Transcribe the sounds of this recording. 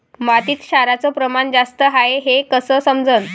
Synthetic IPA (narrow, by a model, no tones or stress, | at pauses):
mat̪iːt̪ɕaɾat͡sɔpɾəmaɳd͡zast̪əɦaeɦekəsəsəmd͡zən